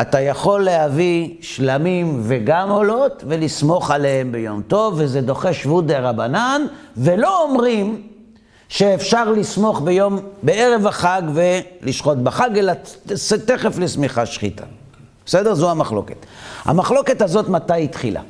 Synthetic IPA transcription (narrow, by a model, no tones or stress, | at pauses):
atajaχo̞lːehavi | ʃlamimveɡamo̞lo̞tvelismo̞χale̞hembejo̞̰mto̞vːezedo̞χe̞ʃvudeʁabananvelo̞omʁim | ʃeːfʃaʁlismo̞χbejo̞mbeeʁevaχaɡveliʃχo̞tbaχaɡelaseteχeflesmiχaʃχḭta̰ | besedeʁzuamaχlo̞̰ke̞ta̰maχlo̞ke̞tazo̞tmatajitχila̰